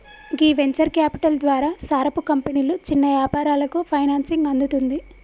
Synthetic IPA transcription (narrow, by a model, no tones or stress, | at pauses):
ɡiːʋeɲt͡ʃɐɾkjaːpiʈɐld̪ʋaːɾaːsaːɾɐpukɐmpɐniːlut͡ʃinːɐʋjaːpaːɾaːlɐkupʰɐjnaːnsiŋɡɐnd̪ut̪und̪i